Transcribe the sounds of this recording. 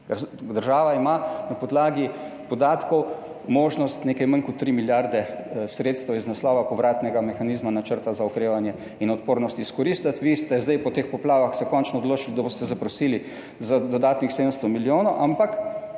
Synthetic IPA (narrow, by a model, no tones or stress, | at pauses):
kəɾd̪əɾʒaːʋaimanapɔd̪laːɡi | pɔd̪aːt̪kɔw | moːʒnɔst̪neːkɛjmaŋkɔt̪ːɾimiljaɾd̪ɛsɾeːt̪st̪ɛwiznaslɔːʋapɔʋɾaːt̪nɛɡamɛxaniːzmanat͡ʃəɾt̪azaɔkɾeːʋanjɛ | inɔt̪poːɾnɔst̪iskɔɾist̪at̪ʋist̪ɛzd̪ajpɔt̪expɔplaːʋaxsɛkɔnt͡ʃnɔɔd̪loːt͡ʃilid̪abost̪ɛzapɾɔsiːli | zad̪ɔd̪aːt̪nixseːd̪əmst̪ɔmiljoːnɔʔampak